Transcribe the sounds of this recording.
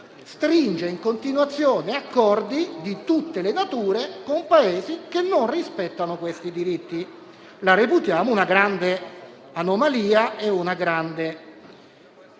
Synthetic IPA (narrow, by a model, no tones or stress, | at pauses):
st̪ɾind͡ʒeiŋkont̪inwat̪sːjoːneakːɔrd̪id̪it̪ut̪ːelenat̪uːɾekompaeːzikenːonrispɛt̪ːanokwest̪id̪iɾit̪ːi | laɾeput̪jaːmounaɡɾand̪e | anomaliːaeunaɡɾand̪e